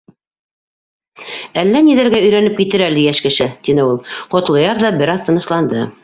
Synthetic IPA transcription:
ælːæniðæɾɡæɵ̆jɾænɘp̚kit̪ɘɾæld̪ɘjæʃkɘ̆ʃɘt̪inɘulˠqŏt̪lˠɤ̆jɑɾðɑbɘɾɑðt̪ɤ̆nɤ̆ʃlˠɑnd̪ɤ

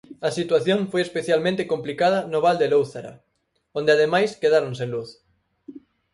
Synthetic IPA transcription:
ɐsit̪waθjõɱfojespeθjalmẽnt̪ekomplikað̞ɐnoβ̞ald̪elowθaɾa̰ | õnd̪eaðemajskeðaɾonsenluθ

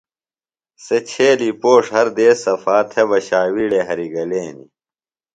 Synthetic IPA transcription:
set͡ɕʰeːlipoːʂhɐɾd̪eːsɐfaːt̪ʰebɐɕaːwiːɽeɦɐɾiɡɐleːnḭ

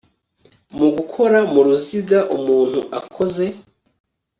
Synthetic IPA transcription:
muɡukʰo̞ɾamuɾuziɡaʔumuːn̥hṵʔa̰kʰo̞ze̞

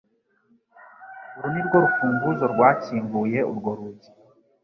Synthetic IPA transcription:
uɾuniɾɡo̞ɾufuːŋɡuzoɾɡwaːciːmbuje̞ṵɾɡo̞ɾuɟi

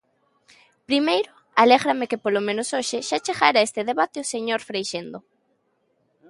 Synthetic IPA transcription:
pɾimejɾo | aleɣɾamekepolomẽnosoʃeʃat͡ʃeɣaɾaest̪eðeβat̪eoseɲoɾfɾejʃend̪o

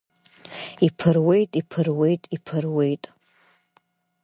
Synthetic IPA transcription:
ipʰɨrwe̞jtʼipʰɨrwe̞jtʼipʰɨrwe̞jtʼ

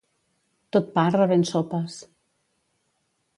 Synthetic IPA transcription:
t̪ot̪̚parəβensopəs

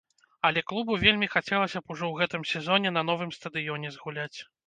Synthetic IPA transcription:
ɐlʲɛklˠubuvʲelʲmʲixat͡sʲɛlˠɐsʲɐpuʐɔwɣɛt̪ɨmsʲɛzɔnʲɛn̪ɐn̪ɔvɨmst̪ɐd̪ɨjɔnʲɛzɣulʲat͡sʲ

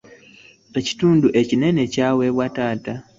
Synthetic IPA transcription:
eci̥tuːnduʔe̞cine̞ne̞cawe̞βwataːta

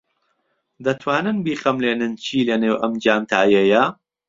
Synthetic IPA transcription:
d̪ɐt̪ʰwaːnɨnbiːχɐmleːnɨnt͡ʃʰiːlɐneːwʔɐmd͡ʒaːmt̪ʰaːjɐjɐ

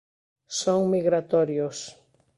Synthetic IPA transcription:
soŋmiɣɾat̪ɔɾjʊs

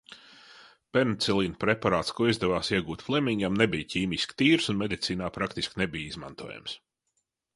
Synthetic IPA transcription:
pɛɾnt̪sɛlˠiːnpɾepaɾaːt̪skuɔizd̪ɛvaːsiɛɡuːt̪flˠimʲiɲɡʲamnebijciːmʲiskʲt̪iːɾsunmed̪it̪siːnaːpɾakt̪iskʲnebijizma̰nt̪uɔja̰ms

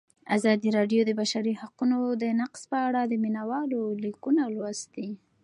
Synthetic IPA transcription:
azɑd̪iɾɑɖjod̪əbaʃaɾihaqunod̪ənaqspəaɽad̪əminawɑlolikunalwast̪i

